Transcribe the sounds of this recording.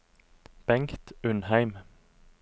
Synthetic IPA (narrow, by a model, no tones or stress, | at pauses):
b̥ɛŋkt̪ʉnhæɪm